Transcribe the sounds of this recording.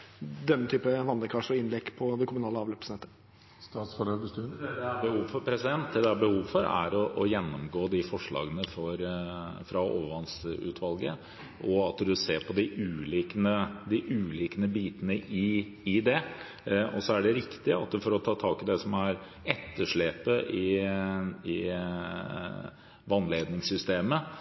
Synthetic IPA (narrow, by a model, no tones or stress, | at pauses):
d̪ɛmːət̪ʰyːpəʋɑnd̪əkʰɑʂɔɪnlɛɡpʰɔd̪ɛkʰʊmʉnɑːləɑːʋlœpəsnɛt̪ːə | st̪ɑːt̪sfɔløːbəst̪ʉd̪ɛæbəhuːʋfɔɾpʰɾɛsɪd̪ɛnt̪̚d̪ɛd̪ɛæɾbəhuːʋfɔɾæ̰ɾɔʔɔjɛnːɔmɡoːd̪ɪfɔʂɭɑ̰ːɡənəfɔɾfɾɑo̰ːʋəʋɑnsʉ̰ːt̪ʰʋɑlɡə | ʔɔɑt̪d̪ʉseːpʰɔd̪ɪʔʉːliːkənəd̪ɪʔʉːliːkənəbiːt̪ənəʔɪ | ɪd̪ɛ | ɔsɔæɖɛɾɪkt̪ɪɑ̰t̪fɔɾɔt̪ʰɑːt̪ʰɑːkɪd̪ɛsɔmæɾ | ɛt̪ʰːəʂɭeːpəʔɪ | ɪ | ʋɑnleːd̪nɪŋsʏst̪eːmə